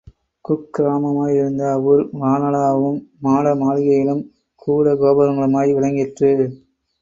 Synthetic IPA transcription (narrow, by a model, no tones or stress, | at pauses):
kʊkːɾaːmɐmaːjɪɾɯnd̪ɐːʋɯlʋaːnɐɭaːʋɯmːaːlɐmaːlɪɣɐjɪɭɯm | kuːɽɐɡoːbɐɾɐŋɡɐɭɯmaːjʋɪɭɐŋɡɪʈrɯ